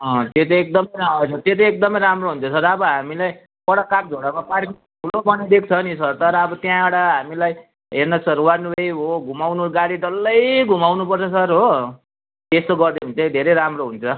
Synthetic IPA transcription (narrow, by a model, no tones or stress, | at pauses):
ʌ̃t̪et̪eek̚d̪ʌmʌjasʰʌt̪et̪ʌek̚d̪ʌmʌjɾamroɦunt͡sʰʌsʌɾʌbʌɦamilaj | pʌɽʌkak̚d͡zʱoɽabʌpaɽki | pʰuɽopʌnid̪ek̚ʰt͡sʰʌnisʌrt̪ʌɾʌːbʌt̪jãeɽaɦamilaj | ɦernʌsʌɾwarnubejɦoɡʱumawnuɡaɽiʈʌlːʌjɡʱumawnupʌrt͡sʰʌsʌɾɦo | t̪est̪oɡʌrd̪eɦunt͡sʰʌd̪ʱeɾʌjɾamroɦunt͡sʰʌ